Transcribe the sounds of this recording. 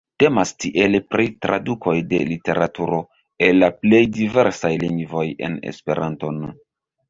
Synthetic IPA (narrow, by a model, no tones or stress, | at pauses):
te̞mastiʔelpɾitɾa̰dukʰo̞jde̞̰lite̞ɾatuɾo̞ | e̞lːaple̞jdive̞ɾsajliŋɡvo̞je̞̰nḛspe̞ɾʔanto̞nu